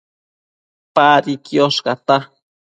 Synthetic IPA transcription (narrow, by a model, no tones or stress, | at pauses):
paːɾikioʃɢɑt̪a